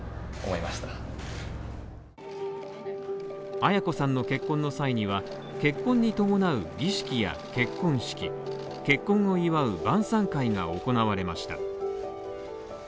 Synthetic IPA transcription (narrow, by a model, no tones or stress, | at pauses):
omoimaɕi̥t̪ḁ | ajako̞sãnːo̞ke̞kːõnːo̞saiɲ̟iβa | ke̞kːõ̞ɲ̟ːit̪o̞mo̞naɯ̟ɡʲiɕi̥kʲija̰ke̞kːõ̞ɰ̃ɕi̥kʲi | ke̞kːõ̞ŋ̃o̞iβaɯ̟bãɰ̃sãŋkaiŋa̰o̞ko̞naβaɾe̞maɕi̥t̪a